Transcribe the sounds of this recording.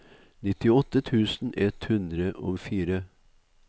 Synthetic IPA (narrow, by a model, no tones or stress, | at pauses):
nɪt̪ɪɔt̪ːət̪ʰʉːsn̩ʔɛt̪hʉnd̪ɾəʔoːfiːɾə